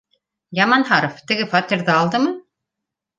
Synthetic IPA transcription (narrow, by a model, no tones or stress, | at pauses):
jɑmɑnɦɑɾoft̪ɘ̆ɡɘfɑt̪ʲiɾðɘɑlˠd̪ɤmɤ